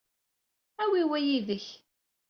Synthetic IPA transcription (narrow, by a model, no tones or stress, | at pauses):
æwiwæjiðəç